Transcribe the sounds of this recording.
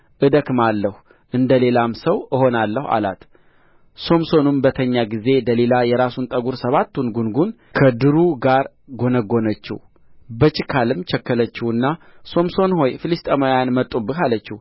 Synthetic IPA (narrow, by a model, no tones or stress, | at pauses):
ʔɨd̪əkmalːəhu | ʔɨnd̪əle̞lamsəwɨho̞nalːəha̰la̰t̪ | so̞mso̞numbət̪ʰəɲːaɡize̞d̪əle̞lajɛɾasunt̪ʼəɡuɾsəβat̪ːunɡunɡun | kʰəd̪ɨɾuɡaɾ | ɡo̞nəɡo̞nət͡ʃːɪ̰w | bət͡ʃɪkʰalɨmt͡ʃəkːələt͡ʃːiwɨnːaso̞mso̞nho̞jfɨlist̪ʼemojanmət̪ʼːubɨkalət͡ʃːɪw